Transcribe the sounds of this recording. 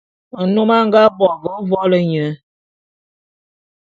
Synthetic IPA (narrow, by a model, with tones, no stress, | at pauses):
ə˨no˦ma˦ŋ˦ɡa˦bɔ˨ɡə˦vɔ˦lə˦ɲə˨˦